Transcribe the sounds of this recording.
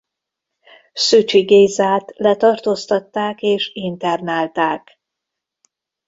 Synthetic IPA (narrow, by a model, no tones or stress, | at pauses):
syt͡ʃiɡeːzaːt̪lɛt̪ɒrt̪ost̪ɒt̪ːaːkeːʃint̪ɛrnaːlt̪aːk